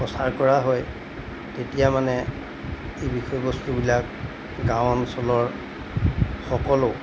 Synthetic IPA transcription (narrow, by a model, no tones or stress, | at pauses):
pɔsaɹkɔɹaɦɔj | tetijamanɛ | ejbixɔjɔbostubilak | ɡãwnsɔlɔɹ | xɔkɔlo